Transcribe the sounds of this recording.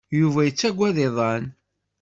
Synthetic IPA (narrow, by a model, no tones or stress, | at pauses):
juvæjət͡sːæɡʷːæðɪðˤɑn